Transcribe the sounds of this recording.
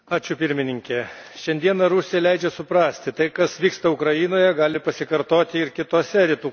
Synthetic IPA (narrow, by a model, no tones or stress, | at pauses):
ɑːt͡ʃʲʊpʲɪɾʲmʲɪnʲɪŋʲkʲɛʃʲɛnʲd̪ʲiɛnɐɾʊsʲɪjɛlʲɛɪd͡ʒʲɛsʊpɾɑːsʲt̪ʲɪt̪ɐɪkɐsʋʲiːkst̪ɐʊkɾɐjɪnoːjɛɡɑːlʲɪpɐsʲɪkɐɾt̪oːt̪ʲɪɪɾkʲɪt̪oːsʲɛɾʲɪt̪uː